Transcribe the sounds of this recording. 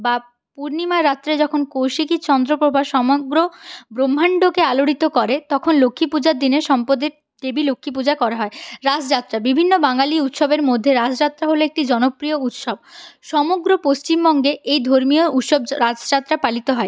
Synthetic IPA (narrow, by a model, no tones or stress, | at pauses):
ba | puɾnimaɾːat̪ːɾad͡ʑɔkʰonkowʃikit͡ɕɔnd̪ɾopɾobʱaʃɔmoɡɾobɾomːaɳɖokealoɽit̪okɔɾet̪ɔkʰonlokʰːipud͡ʑaɾd̪ineʃɔmpod̪eɾ | ɖebilokʰːip̬ud͡ʑakɔɾaɦɔeɾad͡ʑd͡ʑat̪ːɾabibʱinːobaŋaliut̪ʃobeɾmod̪ʱːeɾad͡ʑd͡ʑat̪ːɾaɦoloek̚ʈid͡ʑɔnopɾiout̪ʃob̚ʃɔmoɡɾopost͡ɕimbɔŋɡeʔejd̪ʱoɾmiout̪ʃobɾad͡ʑd͡ʑat̪ːɾapalit̪oɦɔe